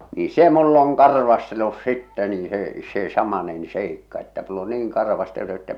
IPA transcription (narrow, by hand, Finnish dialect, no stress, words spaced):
ni se mulː oŋ kɑrʋɑstelːus sitːɛ niː se se sɑmɑnen seikːɑ etːæ mulː o niːŋ kɑrʋɑstelːu etːæ